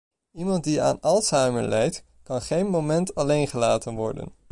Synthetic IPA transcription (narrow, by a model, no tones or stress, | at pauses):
imɑntdia̰ːnɑlˠsajməlɛjt | kɑnχejnmowmɛntɑlejnχəlaːtənʋɔ̰ɹdə̰n